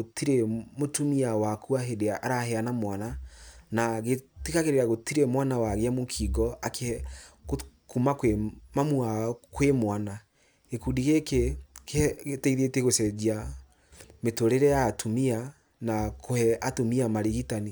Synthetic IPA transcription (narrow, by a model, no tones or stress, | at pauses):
otiɾemotumiawakuaɦedeaʔaɾahɛanamwananaɣetikaɣeɾeɾaɣotiɾemwanawaɣeamokʰiɡɔake | kumakwemamuakwemwana | ekudiɣekekeeteiðeteɣosɛd͡ʒia | metoɾeɾɛaːtumia | nakohɛatomiamaɾeɣitani